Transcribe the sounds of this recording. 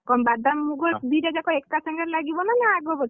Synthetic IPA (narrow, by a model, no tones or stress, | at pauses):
kɔmbad̪amːuɡɔd̪iɾad͡ʒakɔɛkkasaŋɡaɾlaɡibɔnanaːɡɔbɔ